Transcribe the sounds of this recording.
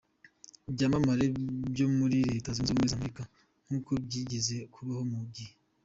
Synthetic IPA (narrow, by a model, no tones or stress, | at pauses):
bɟaːmamaɾebɟo̞muɾiɾe̞ːtazunzuːmŋezameɾika | ŋ̥huːkobɟiːɟeze̞kʰuβahomubɟihe